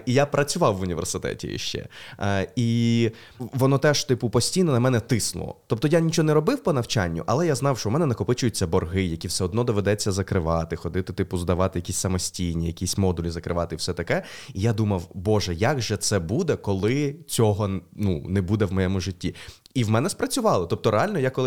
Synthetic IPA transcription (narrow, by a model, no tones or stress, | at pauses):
ijapɾɐt͡sʲʊʋɑwːʊnʲiʋḛrsɪt̪ɛ̰tʲḭjḭʃt͡ʃɛ̰ | i | ʋɔnɔt̪ɛʃt̪ɪpʊpɔsʲtʲijnɔnɐmɛnɛt̪ɪsnʊ̰lˠɔ̰t̪ɔp̚t̪ɔjanʲit͡ʃɔnɛɾɔbɪwpɔnɐwt͡ʃanʲːʊ̰ʔɐlˠɛjaznɑwʃt͡ʃɔmɛnɛnɐkɔpɪt͡ʃʊjʊt͡sʲːɐbɔrɦɪjɐkʲiwsɛɔd̪̚nɔd̪ɔʋed̪ɛt͡sʲːɐzɐkɾɪʋɑt̪ɪxɔd̪ɪt̪ɪt̪ɪpʊzd̪ɐʋɑt̪ɪjɐkʲisʲsɐmɔsʲtʲijnʲijɐkʲisʲmɔd̪ʊlʲizɐkɾɪʋɑt̪ɪwsɛt̪ɐkɛijad̪umɐwbɔʒɛjaɡʒɛt̪sɛbud̪ɛkɔlˠɪt͡sʲɔɦɔnunɛbud̪ɛwmɔjɛmʊʒɪtʲːi | iwmɛnɛspɾɐt͡sʲʊʋɑlˠɪt̪ɔp̚t̪ɔɾeɑlʲnɔjakɔlˠɪ